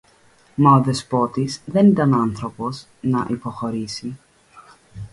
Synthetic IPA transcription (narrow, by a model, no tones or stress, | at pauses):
mɐoðe̞spo̞t̪isðe̞nit̪ɐnɐnθɾo̞po̞s | nɐʔipo̞xo̞ɾisi